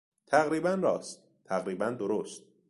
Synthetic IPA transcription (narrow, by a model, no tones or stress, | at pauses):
t̪ʰæɣɾiːbænɾɒ̰ːst̪̚ | t̪ʰæɣɾiːbænd̪oɾost̪̚